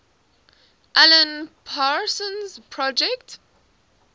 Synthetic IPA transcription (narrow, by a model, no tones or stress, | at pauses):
ʔalə̃npʰaɹsɔ̃nzpʰɹɔd͡ʒɛkt